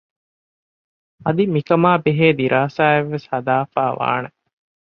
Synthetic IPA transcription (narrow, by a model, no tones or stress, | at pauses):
ɐd̪imikɐmaːbeɦeːd̪iɾʔaːsaːeʋːeshɐd̪aːfaːʋa̰ːne